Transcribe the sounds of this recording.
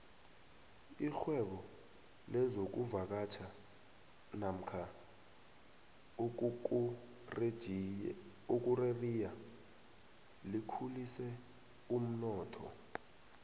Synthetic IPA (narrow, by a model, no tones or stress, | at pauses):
ixwɛɓɔ | lɛzok̬uvak̬at͡ʃʰa | nam̩kʰa | uk̬ʼurerija | likʰulisɛ | um̩nɔːtʰɔ̰